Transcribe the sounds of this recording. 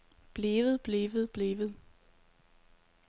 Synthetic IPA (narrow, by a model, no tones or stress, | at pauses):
b̥leːʋð̞̩ˠb̥leːʋð̞̩ˠb̥leːʋð̞̩ˠ